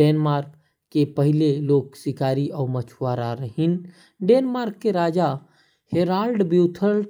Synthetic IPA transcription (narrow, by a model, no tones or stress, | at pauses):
enmaɾk | kːepəɦileloːksikaɾiɔːmət͡ʃʰʋaɾaɾəɦin | ɖenmaːɾkːeɾad͡ʒa | heɾaɾɖbiʊt̪ʰəl